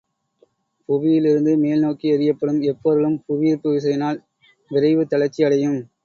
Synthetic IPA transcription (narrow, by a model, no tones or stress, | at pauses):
pʊʋɪjɪlɪɾɯnd̪ɯmeːlnoːkːiɐɾɪjɐpːɐɽɯmɛpːoɾɯɭɯmpʊʋɪjɪɾpːɯʋɪs̬ɐjɐnaːl | ʋɪɾɐɪʋɯt̪ɐɭɐt͡ʃːiɐɽɐjɯm